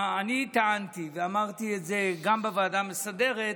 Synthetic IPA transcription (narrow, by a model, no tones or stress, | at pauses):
anit̪aant̪iveamaʁt̪ietze̞ɡambavaːdamesade̞ʁet̪